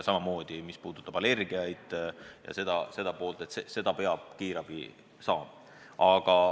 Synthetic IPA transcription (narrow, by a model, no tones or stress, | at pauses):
sɑmɑmo̞ːd̪̥imispuːd̪̥ut̪ːˑɑb̥ɑle̞rɡ̥iɑjd̪̥jɑ̰se̞d̪̥ɑse̞d̪ɑpo̞ːlt̪e̞t̪sese̞d̪̥ɑpe̞ɑb̥kiːɾɑv̥ḭ | sɑːm | ɑɡ̥ɑ